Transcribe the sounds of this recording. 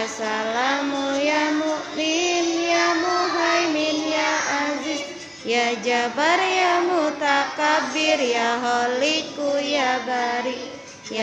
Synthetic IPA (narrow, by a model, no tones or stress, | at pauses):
asalamujamuɾinjamuɦajminjaazi | jad͡ʒabaɾjamut̪akabiɾjaɦɔlikujabaɾi | j